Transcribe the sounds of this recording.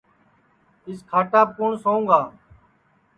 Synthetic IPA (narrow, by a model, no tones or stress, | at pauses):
ɪskʰaːʈaːkʊɳsoːũːŋɡaː